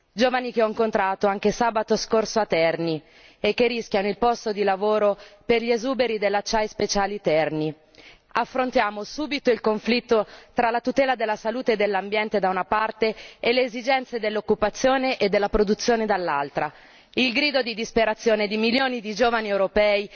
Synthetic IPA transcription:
d͡ʒoːvanikeɔiŋkont̪ɾaːt̪oaŋk̟esaːbat̪oskorsoat̪ːɛrni | ekːerːisk̟ʲjanoilpɔst̪od̪ilavoːɾoperʎiezuːbeɾid̪elːat͡ʃːajspet͡ʃaːlit̪ɛrni | afːɾont̪jaːmosuːbit̪oilkoɱflit̪ːot̪ɾalat̪ut̪ɛːlad̪elːasaluːt̪eːd̪ːelːambjɛnt̪ed̪aunapart̪eeleːzid͡ʒɛnt̪sed̪elːokːupat̪sːjoːneʔed̪ːelːapɾod̪ut̪sːjoːned̪alːalt̪ɾa | ilɡɾiːd̪od̪id̪ispeɾat̪sːjoːned̪imiljoːnid̪id͡ʒoːvaniewɾopɛːi

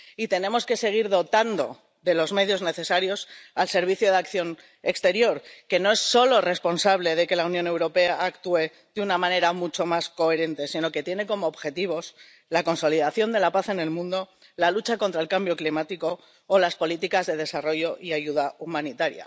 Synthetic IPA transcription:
it̪e̞nẽ̞mo̞ske̞se̞ɣ̞iɾðo̞t̪and̪o̞̰ | ðe̞lo̞zme̞ðjo̞zne̞θe̞saɾjo̞salse̞ɾβiθjoð̞akθjo̞n | e̞kst̪e̞ɾjo̞ɾke̞no̞e̞sːo̞lo̞re̞spo̞nsaβ̞le̞ðe̞ke̞launjõne̞wɾo̞pe̞aːkt̪ue̞ | ðeunamãne̞ɾamut͡ʃo̞masko̞e̞ɾe̞nt̪e̞sino̞ke̞t̪je̞ne̞ko̞mo̞ːβxe̞t̪iβ̞o̞s | lako̞nso̞liðaθjo̞nd̪e̞lapaθe̞ne̞lmũnd̪o̞ | lalut͡ʃako̞nt̪ɾaelkambjo̞klimat̪iko̞ː | laspo̞lit̪ikazðe̞ð̞e̞saro̞ʝo̞ʔiaʝuð̞aumãnit̪aɾja̰

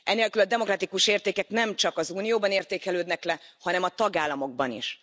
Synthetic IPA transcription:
ʔɛneːlkylɒd̪ɛmo̞krɒt̪ikuʃeːrt̪eːkɛknɛmt͡ʃɒkɒzuːnijoːbɒneːrt̪eːkɛløːd̪nɛklɛhɒnɛmɒt̪ɒɡaːlːɒmo̞ɡ̚bɒnḭʃ

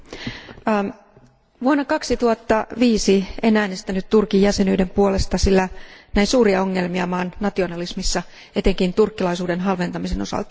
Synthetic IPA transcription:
ʋuonːɑkɑksit̪uhɑt̪ːɑʋiːsienæːne̞st̪ænyt̪t̪urkijæse̞nyːde̞mpuole̞st̪ɑsilːænæinsuːɾiɑo̞ŋːe̞lmiɑmɑːnnɑt̪ionɑlismisːɑ | e̞t̪e̞ŋkint̪urkːilɑisuːde̞nɦɑlʋe̞nt̪ɑmise̞no̞̰sɑ̰lt̪ɑ̥

